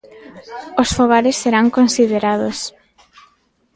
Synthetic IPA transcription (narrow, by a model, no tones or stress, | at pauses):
osfoɣaɾɪsːeɾaŋkonsiðeɾaðos